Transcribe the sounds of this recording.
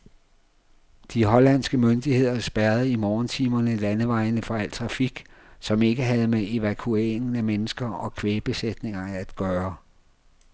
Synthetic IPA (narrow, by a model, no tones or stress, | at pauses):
d̥iɦɒ̽læn̰sɡ̥əmønd̥ihe̝ð̞̰ˠɐsb̥æɐð̞̩ˠimɒːnt͡sʰiːmɐnəlænəʋɑ̈ɪnəfɒ̽æl̰t͡sʰʁɑ̈fiɡ̥ | sɒ̽me̝ɡ̥əɦæð̞̩ˠmee̝ʋækʰue̝̰ːeŋn̩æmenəsɡ̥ɐɒ̽kʰʋeːb̥e̝sed̥ne̝ŋɐæd̥ɡ̥ɶːɐ